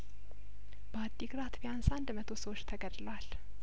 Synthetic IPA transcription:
b̥əad̪ːiɡɾat̪bijansand̪mət̪ʰo̞səwot͡ʃːt̪ʰəɡəd̪lwal

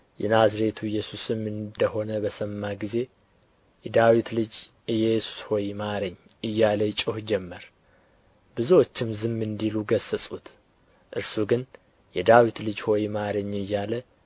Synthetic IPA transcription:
jɛnazɾe̞t̪ʰujːɛsusɨmːɨnd̪əho̞nəbəsəmːaɡize̞ | jɛd̪awit̪lɨd͡ʒ | ɨjɛjɛsu̥sho̞jimaɾəɲː | ɨjːaləjt͡ʃʼohd͡ʒɛmːəɾ | bɨzuwot͡ʃːɪmzɨmːɨnd̪iluɡəsːəsʼut̪ | ʔɨɾsuɡɨn | jɛd̪awit̪lɨd͡ʒho̞jimaɾəɲːɨjːalə

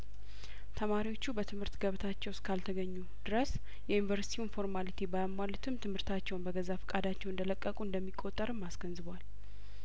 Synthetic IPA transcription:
t̪ʰəmaɾiwo̞t͡ʃːubət̪ʰɨmhɨɾt̪ɡəβt̪ʰat͡ʃːɛwskʰalt̪ʰəɡəɲːud̪ɨɾəs | jɛjinvəɾsi̥t̪ʰiunfo̞ɾmalit̪ʰibajamːalut̪ʰɨmt̪ʰɨmhɨɾt̪ʰat͡ʃːɛwnbəɡəzafə̥kʼad̪at͡ʃːɛwɨnd̪ələkʼːəkʼuɨnd̪əmːikʼo̞t̪ʼːəɾɨmːasɡənzɨβwal

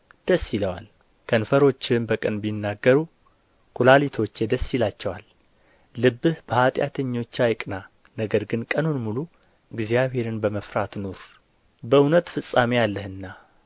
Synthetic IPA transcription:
d̪̥əsːjiləwa̰l | kʰənfəɾo̞t͡ʃːɪmbəkʼənbinːaɡːəɾu | kʰulalit̪ʰo̞t͡ʃːjɛd̪əsːilat͡ʃːɛwalː | ɨbːɨhb̥əhat̪ʼja̰t̪ʰəɲːo̞t͡ʃːajkʼna | nəɡəɾɡɨnkʼənunmulu | ɨɡzijaβhe̞ɾɨnbəməfɾat̪noɾ | bəunət̪fɨsʼːamejalːəhɨnːa

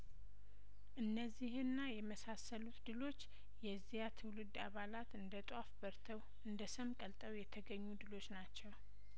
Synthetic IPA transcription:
ʔɨnːəzːihɨnːajɛməsasəlut̪d̪ɨlo̞t͡ʃː | jɛzːijat̪ʰɨwlɨd̪ːaβalat̪ɨnd̪ət̪ʼwafbəɾt̪ʰəw | ɨnd̪əsəmkʼəlt̪ʼəwjɛt̪ʰəɡəɲːud̪ɨlo̞t͡ʃːnat͡ʃːɛw

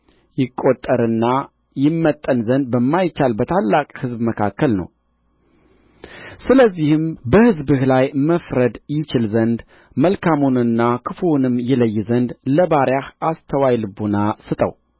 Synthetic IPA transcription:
jɪkʼot̪ʼːəɾɨnːa | jɪmːət̪ʼːənzənd̪̚bəmːajt͡ʃːalbət̪ʰalːakʼhɨzbməkʰakːəlnə̰w | sɨləzːihɨmbəhɨzbɨhlajməfɾəd̪jɪt͡ʃɪlzənd̪ | məlkʰamonɨnːakʰɨfunɨmjɛləjːzənd̪ləbaɾjahast̪ʰəwajlɨbonasɨt̪ʼə̰w

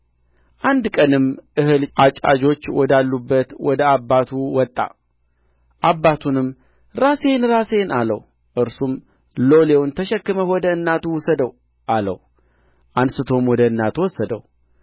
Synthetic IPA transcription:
ʔand̪kʼənɨmʔɨhɨlat͡ʃʼa̰d͡ʒo̞t͡ʃːwɔd̪alːubːət̪wɔd̪əabːat̪ʰuwɔt̪ʼːa̰ | ʔabːat̪ʰunɨm | ɾase̞nɾase̞nalə̰w | ʔɨɾsum | lo̞lewnt̪ʰəʃɛkːɨməwɔd̪əɨnːat̪ʰuwɔsəd̪əw | ʔalə̰w | ʔansɨt̪ʰo̞mwɔd̪əɨnːat̪ʰuwɔsːəd̪ə̰w

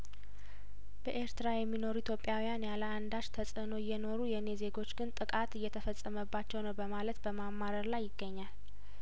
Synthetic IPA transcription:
b̥əʔe̞ɾt̪ɨɾajɛmːino̞ɾuit̪jo̞pʼːjawijanjaləand̪aʃt̪ʰəsʼəno̞ɪjːɛno̞ɾujɛne̞ze̞ɡo̞t͡ʃːɡɨnt̪ʼɨkʼat̪ɨjːɛt̪ʰəfəsʼːəməbːat͡ʃːɛwnəwbəmalət̪bəmamːaɾəɾlajːɪɡːəɲːal

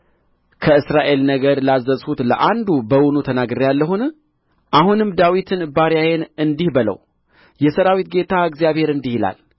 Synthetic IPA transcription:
kʰəɨsɾaʔe̞lnəɡəɾlazːəzhut̪ləʔand̪ubəwunut̪ʰənaɡɨɾjalːəhun | ʔahunɨmd̪awit̪ʰɨnbaɾjajenɨnd̪ihbələ̰w | jɛsəɾawit̪̚ɡe̞t̪ʰaɨɡzijaβhe̞ɾɨnd̪ihila̰l

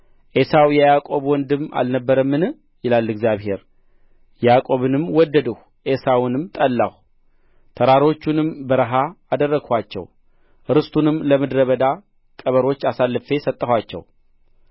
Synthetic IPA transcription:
ʔe̞sawjɛjakʼo̞βwɔnd̪ɨma̰lnəbːəɾəmːɨnɨ | jɪlalːɨɡzjaβhe̞ɾ | jakʼo̞βɨnɨmwɔd̪ːəd̪əh | ʔe̞sawnɨmt̪ʼəlːa̰h | t̪ʰəɾaɾo̞t͡ʃːunɨmbəɾɨɦaː | d̪ərːəɡʰhʷat͡ʃːɛ̰w | ʔɾɨst̪ʰʼunɨmləmɨd̪ɾəβəd̪a | kʼəβəɾo̞t͡ʃːasalːɨfe̞sət̪ʼːəhʷwat͡ʃːɛ̰w

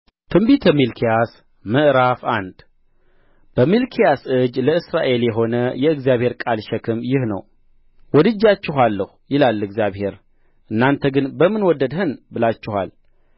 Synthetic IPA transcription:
t̪ʰɨmbit̪ʰəmilkʰijas | mɨʔɾafand̪ | b̥əmilkʰijasɨd͡ʒləɨsɾaʔe̞ljɛɦo̞nəjɛɨɡzjaβhe̞ɾkʼalʃɛkʰɨmjɪhnə̰w | wɔd̪ɨd͡ʒːat͡ʃːɪɦalːəhujɪlalːɨɡzijaβhe̞ɾ | ʔɨnːant̪ʰəɡɨnbəmɨnwɔd̪ːəd̪hɨnbɨlat͡ʃːɪha̰l

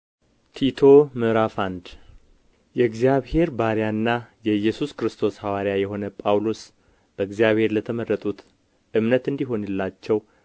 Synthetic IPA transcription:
t̪ʰit̪ʰo̞mɨɾafand̪ | jɛɨɡzijaβhe̞ɾbaɾjanːajɛjːɛsuskɾɨst̪ʰo̞shawaɾjajɛɦo̞nəpʼawlo̞s | b̥əɨɡzijaβhe̞ɾlət̪ʰəmərːət̪ʼut̪ | ʔɨmnət̪ɨnd̪iɦo̞nɨlːat͡ʃːɛw

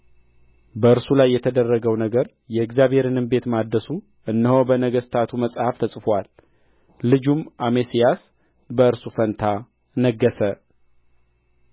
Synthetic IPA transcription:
bəɨɾsulajːɛt̪ʰəd̪ərːəɡəwnəɡəɾ | jɛɪɡzjaβhe̞ɾɨnɨmbe̞t̪mad̪ːəsu | ʔɨnːəhobənəɡəst̪ʰat̪ʰuməsʼhaft̪ʰəsʼfwalː | ɨd͡ʒumʔamesijas | bəɨɾsufənt̪ʰa | nəɡːəsə

